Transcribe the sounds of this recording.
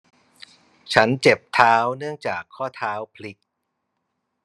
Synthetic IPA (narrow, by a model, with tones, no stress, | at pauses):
t͡ɕʰa˦˥nt͡ɕe˨˩p̚t̪ʰaː˦˥wnɯ˥˩əŋt͡ɕaː˨˩kʰːɔː˥˩t̪ʰaː˦˥wpʰli˦˥k̚